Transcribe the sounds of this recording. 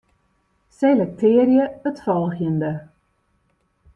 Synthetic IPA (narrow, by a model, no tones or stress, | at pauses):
selɛk̚tʰɪərjəətfɔlˠxjəndə